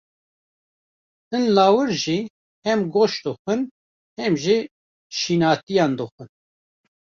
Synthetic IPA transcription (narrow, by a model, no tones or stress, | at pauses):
ɨnlaːwɨɾʒi | hɛmɡoʃd̪ɨxʷɨn | hɛmʒi | ʃiːnaːt̪ijɑːnd̪ɨxʷɨn